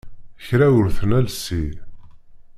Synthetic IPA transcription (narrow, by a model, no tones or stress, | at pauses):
çɾæwəɾθənælsːi